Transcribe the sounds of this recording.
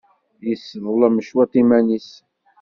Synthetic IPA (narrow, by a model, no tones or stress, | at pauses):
jəsːðˤəlæməʃwæt̪ˤimænis